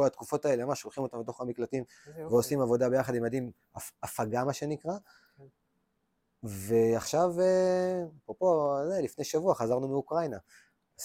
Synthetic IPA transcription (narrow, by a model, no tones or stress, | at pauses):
oat̪kufo̞taeleamaʃo̞lχimo̞t̪ambet̪̬o̞χamiklatim | veosimavo̞dabe̞jaχad̪imad̪im | aafaɡamaʃe̞nikʁa | ve̞aχʃaveapʁopo̞zelifne̞jʃavuaχazaʁnumeukʁajna | z